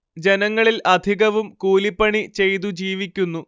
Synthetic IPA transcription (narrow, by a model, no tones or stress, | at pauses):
d͡ʑe̞nɐŋːɐɭilɐd̪ʱiɣɐʋumkuːlipːɐɳit͡ɕe̞jt̪̬ud͡ʑiːʋikʲːunːu